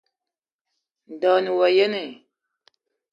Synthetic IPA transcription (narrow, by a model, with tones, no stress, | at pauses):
n˨da˨nu˨wa˨je˦ne˨